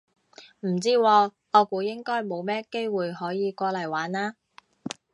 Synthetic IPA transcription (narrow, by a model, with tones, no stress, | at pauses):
m̩˨˩t͡siː˥wɔː˧ | ɔː˨˧kuː˨˧jɪ˥ŋkɔː˥jmo˨˧wmɛː˥ke˥jwuː˨jhɔː˨˥jiː˨˧kʷɔː˧lɐ˨˩jwaː˨˥naː˥